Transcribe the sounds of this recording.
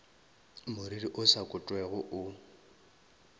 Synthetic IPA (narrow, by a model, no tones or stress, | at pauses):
mʊɾiriʔʊsakʼʊtʼwɛɣʊʔʊ